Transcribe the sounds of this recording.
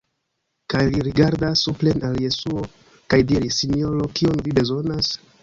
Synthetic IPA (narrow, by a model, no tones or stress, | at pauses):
kajliɾiɡaɾdasːuple̞nalje̞suo | kajdiɾisinio̞ɾo̞kio̞nvibe̞zo̞nas